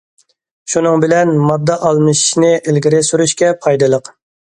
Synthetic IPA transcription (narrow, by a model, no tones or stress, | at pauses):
ʃunɨŋbɪlɛnmɑd̪ːɑʔɑlˠmɨʃnɪʔelɡʲiɾɪsyɾyʃkʲɛpʰɑjd̪ɨlˠəq